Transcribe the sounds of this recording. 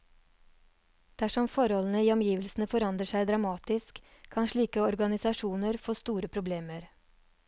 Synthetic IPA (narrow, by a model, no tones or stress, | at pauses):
d̪̥æʂɔmfɔɾɔln̩əiːɔmjiːʋəlsn̩əfɔɾɑnd̪ɾəʂæɪd̪ɾɑmɑːt̪ɪskʰː | ɑnʂɭiːkəɔɾɡɑnɪsɑʂuːnəɾfoːst̪uːɾəpʰɾʊbleːməɾ